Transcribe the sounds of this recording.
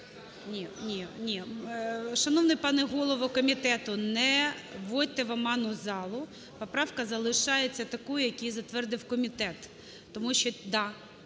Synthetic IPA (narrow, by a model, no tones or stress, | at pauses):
nʲinʲinʲi | ʃɐnɔwnɪjpɑnɛɦɔlˠɔʋɔkɔmʲit̪ɛt̪ʊnɛʋɔd̚ʲt̪ɛʋɐmɑnʊzɑlˠʊ | pɔpɾɑwkɐzɐlˠɪʃɑjet͡sʲːɐt̪ɐkujʊjɐkʲijzɐt̪ʋɛrd̪ɪwkɔmʲit̪ɛt̪ː | ɔmuʃt͡ʃɔd̪ɑ